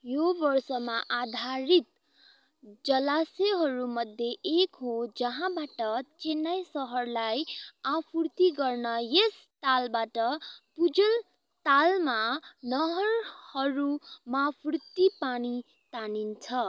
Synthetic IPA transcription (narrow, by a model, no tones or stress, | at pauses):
jobʌrsʌmaʔad̪ʱaɾit̪ | d͡zʌlaseɦʌɾumʌd̪ʱjeʔekɦod͡zʌɦãbaʈʌt͡senʌjsʌɦʌrlajapʰrt̪iɡʌrnʌjes | t̪albaʈʌpud͡zʌl | t̪almanʌɦʌrhʌɾumapʰrt̪ːipani | t̪anint͡sʰʌ